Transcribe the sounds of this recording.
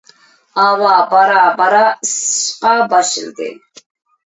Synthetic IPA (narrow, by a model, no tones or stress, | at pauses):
aːwaːbaɾaːbaɾasʃqʼabaʃɪ̰lɡɛ̰n